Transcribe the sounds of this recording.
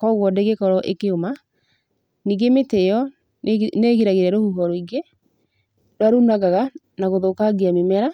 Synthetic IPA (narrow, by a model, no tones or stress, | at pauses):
kɔɣwɔdeɣekɔɾɔʔekeoma | niːɡemetejɔ | neɣiɾaɣeɾɛɾohuɦɔɾɔiɡe | ɾaɾunaɣaɣa | naɣoðokaɡiamemɛɾa